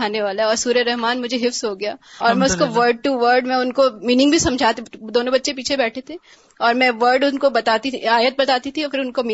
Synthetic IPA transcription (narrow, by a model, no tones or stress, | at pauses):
aːneʋaːlaɛɔːɾsuːɾəɾɛɦmaːnmʊd͡ʒʱeɦɪfsɦoɡɐjaːɔːɾmɛ̃ʊskoʋəɾɖ̚ʈuʋəɾɖmɛ̃ʊnkomiːnɪ̃ŋɡbʱisɐ̃md͡ʒʱaːt̪ed̪oːnõbɐtːʃep̬iːt͡ʃʰebɛːʈʰet̪ʰeː | ɔːɾmɛ̃ʋəɾɖʊnkobɐt̪aːt̪iiaːjət̪̚bɐt̪aːt̪it̪ʰiɔfɪɾʊnkomiː